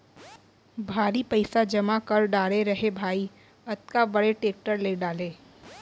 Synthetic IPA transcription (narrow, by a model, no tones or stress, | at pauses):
bʱaːɾipɐɪsad͡ʒɐmakɐɾɖaːɽeɾɐɦebʱaːi | ɐt̪̚kabɐɽeʈeːk̚ʈəɾleɖaːlẽː